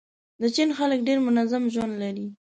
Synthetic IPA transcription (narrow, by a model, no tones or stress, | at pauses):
d̪ət͡ʃinxalək̚ɖeɾmʊnazamʒwand̪laɾi